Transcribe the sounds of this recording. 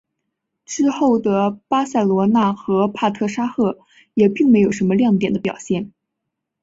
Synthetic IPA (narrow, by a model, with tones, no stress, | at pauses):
ʈ͡ʂɻ̩˥xo˥˩ʊd̪ə˩pa˥sa˥˩ɪlwɔ˧˥na˥˩xɤ˧˥pʰa˥˧t̪ʰɤ˥˩ʂa˥xɤ˥˩ | jɛ˨˩pi˥˩ŋme˧˥ɪjo˨˩ʊʂə˧˥nmə˧ljɑ˥˩ŋt̪jɛ˨˩nd̪ə˦pjɑ̰˨˩ʊɕjɛ˥˩n